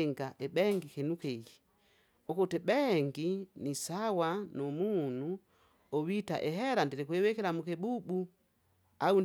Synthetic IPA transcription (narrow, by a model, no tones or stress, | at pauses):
ŋɡaʔɛbɛŋɡikɛnukɛɡi | ɔkutɛbɛŋɡinisawanɔmunu | ɔwita̰ʔɛɦɛɾandiɾikuɛwɛkɛɾamukɛbubu | aun